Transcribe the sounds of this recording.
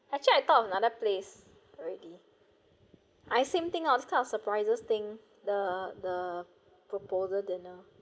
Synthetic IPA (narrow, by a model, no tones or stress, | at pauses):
ɛk̚t͡ʃuliaɪt̪ɔɔfə̃nadəples | ɹili | ʔajsẽmt̪ɪ̃ŋadiskãɪ̃nɔfsəpɹaɪzəst̪ɪ̃ŋ | dədə | pɹopozədɪ̃nə